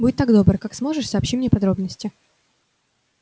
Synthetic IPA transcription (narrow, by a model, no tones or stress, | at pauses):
budʲɪt̪ːaɡd̪o̞bɾəkaksmo̞ʐɨʂsaːpɕimnʲepɐd̪ɾo̞bnəsʲtʲɪ